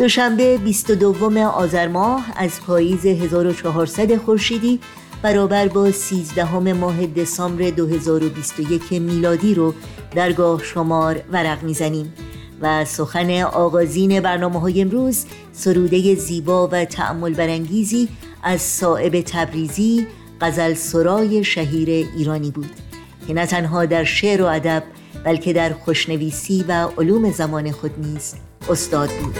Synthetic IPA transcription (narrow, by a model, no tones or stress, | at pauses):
d̪̥o̞ʃæmbe̞bist̪od̪ovːo̞me̞ʔɒːzæɾmɒːhæzpʰɒːjiːze̞ɦe̞zɒːɾo̞t͡ʃʰɒːɦɒːɾsæd̪e̞xo̞ɾʃiːd̪iː | b̥æɾɒːbæɾbɒːsiːzd̪æɦo̞me̞mɒːɦe̞d̪e̞sɒːmbɾe̞d̪oɦe̞zɒːɾo̞biːst̪o̞je̞cʰe̞miːlɒːd̪iːɾo | d̪æɾɡɒːhʃo̞mɒːɾvæɾæɣmiːzæniːm | væso̞xæne̞ʔɒːɣɒːziːne̞bæɾnɒːmeɦɒːjeemɾuːz | so̞ɾuːd̪e̞je̞ziːbɒːvæt̪ʰæ̰ʔæ̰mːo̞lbæɾæŋɟiːziː | ʔæzsɒːʔe̞be̞t̪ʰæbɾiːziː | ɢ̥æzælsoɾɒːje̞ʃæɦiːɾe̞ʔiːɾɒːniːbuːd̪̥ | cʰe̞næt̪ʰænɦɒːd̪æɾʃeʔɾo̞æd̪æb̚ː | ælcʰe̞d̪æɾxo̞ʃne̞viːsiːvæʔoluːme̞zæmɒːne̞xo̞d̪niːz̥ | o̞st̪ɒːd̪̚buːd̪̥